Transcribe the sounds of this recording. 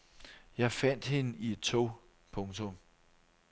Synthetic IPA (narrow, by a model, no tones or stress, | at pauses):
jɑ̈ɪfæn̰d̥he̝nəʔie̝d̥̚t͡sʰo̰ | pʰɔ̽ŋt͡sʰɔ̽m